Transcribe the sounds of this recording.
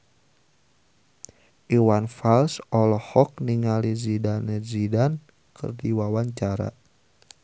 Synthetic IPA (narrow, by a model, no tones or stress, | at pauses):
ʔiwanfalsɔlɔhɔk̚niŋalizidanezidan | kʰə̰rdiwawaɲt͡ʃaɾa̰